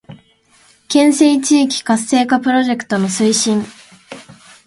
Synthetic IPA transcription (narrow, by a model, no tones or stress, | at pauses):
kẽ̞ɰ̃se̞it͡ɕiːkʲi̥kasːe̞ːkapɯ̟ɾo̞ʑe̞kɯ̟̥t̪o̞no̞sɨiɕĩŋ